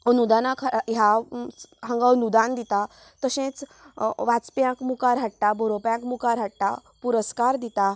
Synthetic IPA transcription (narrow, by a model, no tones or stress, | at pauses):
nud̪anakʰaja | ɦãŋɡanud̪and̪it̪a | t̪əɕẽt͡s | ʋat͡spjãkmukaɾɦaʈʈ̪abʱɔɾopjãkmukaɾɦaʈʈ̪a̰puɾəskaɾd̪it̪a